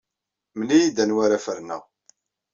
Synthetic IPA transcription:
mənijid̪ænwaɾafəɾnæ̰

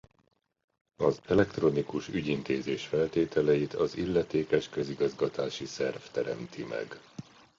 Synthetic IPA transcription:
ɒzɛlɛkt̪ro̞nikuʃyɟint̪eːzeːʃfɛlt̪eːt̪ɛlɛjit̪ʰɒzilːɛt̪eːkɛʃkøziɡɒzɡɒt̪aːʃisɛrft̪ɛɾɛ̰mt̪ʰimɛ̰ɡ

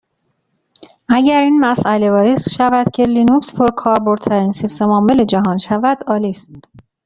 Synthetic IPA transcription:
ʔæɟæɾiːnmæsʔælevɒːjesʃævæd̪̥cʰe̞linukspʰoɾkʰɒːɾbo̞ɾd̪t̪ʰæɾiːnsist̪emɒːme̞led͡ʒæɦɒːnʃævæd̪̥ɒːliːst̪̚

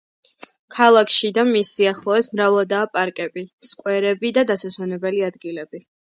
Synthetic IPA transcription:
kʰalˠakʰʃid̪amisiaχlˠɔɛsmɾavad̪aːpʼaɾkʼɛbiskʼwɛɾɛbid̪ad̪asaswanɛbɛliad̪ɡilɛbi

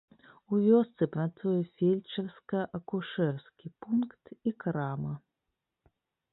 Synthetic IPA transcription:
uvʲɔst̪sɨpɾat̪sujɛfʲelʲt͡ʃɐwskɐʔɐkuʂɛrskʲipunkt̪ikɾamɐ

